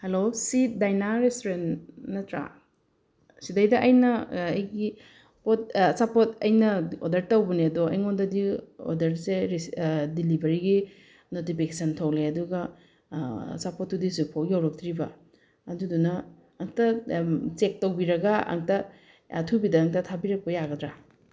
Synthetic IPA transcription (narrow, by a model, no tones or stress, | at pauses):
helosit̚dajnaɾestoɾennɐtɾa̰ | sidɐjdɐʔɐjnɐɐjɡi | pot̚sapotɐjnɐodɐɾtɐwbɐniɐdoɐ̰jŋondɐdio̰dɐɾseɾisdilibɐɾiɡi | notipʰikesɐntʰɐwleɐduɡɐ | sapot̚ːudizupʰowjawɾɔk̚tɾibɐ | ɐdudunɐː | ŋtɐt͡ʃek̚tɐwbiɾɐɡɐɐ̰ŋtɐ | tʰubidɐːŋtɐtʰabiɾɐk̚pɐjaɡɐdɾa